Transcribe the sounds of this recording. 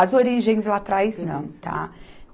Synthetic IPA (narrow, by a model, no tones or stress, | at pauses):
ɐzoɾiʒẽj̃zlat̪ɾajznɐ̰̃w̃t̪ʰa̰